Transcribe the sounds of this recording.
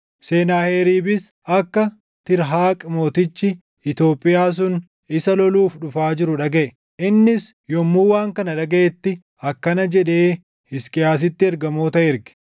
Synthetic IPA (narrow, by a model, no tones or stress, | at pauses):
se̞ːnaːheːɾiːbɪs | ɐkːɐ | t̪ɪɾɦaːkʼmo̞ːt̪ɪt͡ʃːɪ | ɪt̪o̞ːpʼːɪjaːs̬ʊn | ɪsɐlɔluːfᶑʊfaːd͡ʒɪɾʊᶑɐɡɛʔɛ | ʔɪnːɪs | jɔmːuːwaːŋkɐnɐᶑɐɡɐɛt̪ːɪ | ɐkːɐnɐd͡ʒɛᶑe̞ː | ɪskʼɪjaːs̬ɪt̪ːɪɛɾɡɐmo̞ːt̪ɐɪɾɡɛ̥